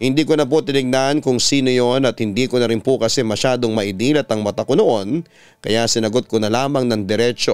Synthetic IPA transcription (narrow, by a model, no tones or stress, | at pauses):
hɪnd̪iːkonɐpot̪ɪnɪɡ̚nankʊŋsiːnojonɐt̪̚hɪnd̪iːkonɐɾɪnpokɐsɛmɐʃaːd̪o̞ŋmɐʔɪd̪iːlɐt̪ɐŋmɐt̪ɐkonoʔo̞n | kɐjasɪnɐɡot̪̚konɐlaːmɐŋnɐŋd̪ɛɾɛt͡ʃo